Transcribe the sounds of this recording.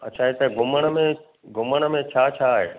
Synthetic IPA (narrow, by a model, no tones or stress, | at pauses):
ɐtːt͡ɕʰaːɦet̪əɡʱʊməɽ̃ə̆mẽ | ɡʱʊməɽ̃ə̆mẽt͡ɕʰaːt͡ɕʰaːɦḛː